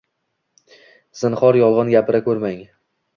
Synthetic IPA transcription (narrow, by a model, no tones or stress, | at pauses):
z̥ɪnχɒɾjɒlˠʁɑnɡʲapʰɪɾakʰɵɾmaŋ